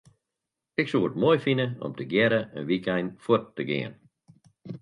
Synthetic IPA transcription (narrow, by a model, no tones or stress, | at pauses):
ɪksuːətmojfinəɔ̰mtʰəɡjɛɾəə̰nʋikɛjnfwərtːəɡɪ̰ən